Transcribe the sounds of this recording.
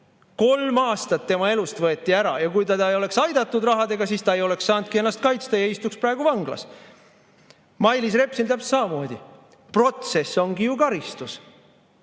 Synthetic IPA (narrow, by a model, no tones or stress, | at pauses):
ko̞lmɑːst̪ɑt̪ːe̞mɑe̞lust̪vɤe̞t̪ˑːiæɾɑ̰jɑkujt̪ɑt̪ɑejo̞le̞ksɑjd̪̥ɑt̪ːˑud̪rɑɦɑd̪e̞ɡ̥ɑsiːst̪ɑe̞jo̞le̞kssɑːnd̪̚kie̞nːɑst̪̚kɑjt̪st̪ɑjɑeist̪uksprɑeɡuvɑŋɡlɑ̰s | mɑjlis̬re̞psilt̪æpst̪sɑmɑmo̞ːd̪ʲi | pro̞t̪se̞sːo̞ŋɡijukɑɾist̪us